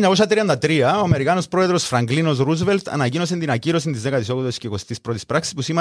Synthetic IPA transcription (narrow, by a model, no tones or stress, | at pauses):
ɲːɐkosɐt̪ɾiɐnd̪ɐt̪ɾiɐoɐme̞ɾikɐnospɾo̞eðɾo̞sfɾɐŋɡlino̞sɾuzvelt̪ʰɐ̰nɐcino̞s̬ent̪inɐciɾo̞sint̪izðe̞kɐt̪iso̞koðosceko̞st̪ispɾo̞t̪ispɾaksi̥spusime